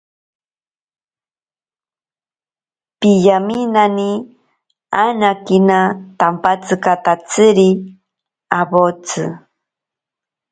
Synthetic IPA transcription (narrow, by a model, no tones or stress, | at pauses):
pijaminani | anakinat̪ampat͡sɨkat̪at͡sɨɾi | abot͡sɨ̰